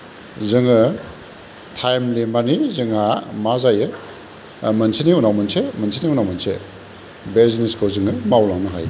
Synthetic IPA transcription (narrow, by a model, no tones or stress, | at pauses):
zɯŋɯ | tʰajmlimanizɯŋamazajɯ | mɐnsʰiniunawmɯnsemɐnsʰiniunawmansʰḛ | beziniskɔzɯŋɯmawlaŋnɯɦa̰j